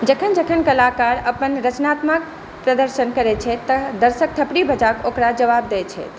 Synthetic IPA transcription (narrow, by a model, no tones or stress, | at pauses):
d͡ʒəkʰənd͡ʒəkʰənkəlakaɾəpənɾət͡ʃnat̪mak̚ | pɾəd̪əɾsənkəɾɛt͡ʃʰɛt̪əd̪əɾsək̚t̪ʰəpɽibʱəd͡ʒakokɾad͡ʒəʋab̚d̪ɛt͡ʃʰɛ̰